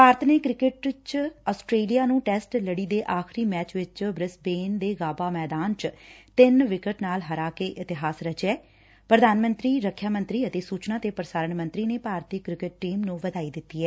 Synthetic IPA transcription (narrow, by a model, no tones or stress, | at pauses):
paːɾt̪neːkɾɪkɪʈt͡ʃɔːsʈɾeːlijaːnũːʈɛːsʈləɽiːd̪eːʔaːxʰɾiːmɛːt͡ʃʋɪt͡ʃbɾɪsbeːnd̪eːɡaːbaːmɛːd̪aːnt͡ʃt̪ɪnʋɪkəʈnaːlɦəɾaːkeːʔɪt̪ɪɦaːsɾət͡ʃɛː | pɾəd̪ʱaːnmə̃nt̪ɾiːɾəkʰːjaːmə̃nt̪ɾiːət̪eːsuːt͡ʃnãːt̪eːpəɾəsaːɾəɳmə̃nt̪ɾiːneːpaːɾt̪ikɾɪkɪʈʈːiːmnũːʋəd̪aːiːd̪ɪt̪ːiːɛː